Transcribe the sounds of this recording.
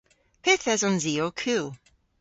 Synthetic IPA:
pʰɪθɛzɔnziːokʰʉːlˠ

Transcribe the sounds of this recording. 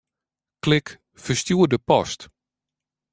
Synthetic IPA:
klɪk | fəstjuədəpɔst

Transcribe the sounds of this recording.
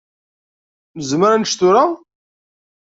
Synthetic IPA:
məzməɾanʃt̪ʊɾa

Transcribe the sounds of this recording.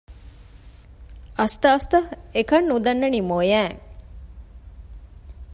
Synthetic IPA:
ɐst̪ɐːst̪ɐhekɐnːud̪ɐnːɐnimojæːŋ

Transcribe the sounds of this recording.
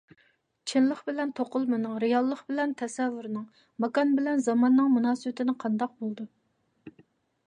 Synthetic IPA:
t͡ʃʰɪnlˠəχbɪlɛnt̪ʰoqʊlˠmɨnɨŋɾɨjɑlˠːəχbɪlɛnt̪ʰɛsɛvːyɾnɨŋ | mɑkɑnbɪlɛnzɑmɑnːɨŋmunɑːsɨbɪt̪ʰɪnɪqʰɑnd̪ɑq̚bolˠd̪u

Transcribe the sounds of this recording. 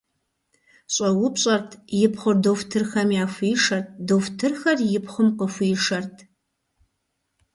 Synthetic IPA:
ɕʼɐwʊpɕʼɐrtʰjɪpχʷʊrdoftʰɨrxɐmjaːfʷiːʂɐrt̚ʰdoftʰɨrxɐrjɪpʰχʷʊmqəfʷiːʂɐrtʰ

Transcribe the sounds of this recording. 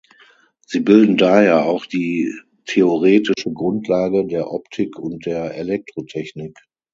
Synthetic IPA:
z̥iːbɪldn̩daheːɐaʊxd̥iː | tʰeoʁeːtɪʃəɡʁʊntʰlaːɡədeːɐʔɔptʰɪkʰʊnt̚d̥eːɐʔelɛk̚tʁ̥otʰɛçnɪk

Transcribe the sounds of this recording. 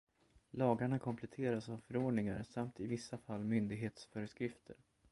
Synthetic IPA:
lɑːɡaɳakʰɔmpʰlɛt̪ʰeːɾasavfœɾoːɖɳɪŋa̰ɾsamt̪ʰɪvɪsːafalːmʏnd̪ɪɡɦeːt̪sfœɾəskɾɪft̪ʰə̰ɾ

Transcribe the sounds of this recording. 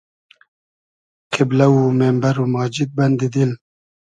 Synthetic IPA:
qʰɪblaumembaɾumɑːd͡ʒit̪̚bɐnd̪id̪il

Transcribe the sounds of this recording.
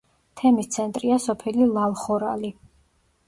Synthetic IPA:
t̪ʰɛmist̪sʰɛnt̪ʼɾiasɔpʰɛlilˠalˠχɔɾali

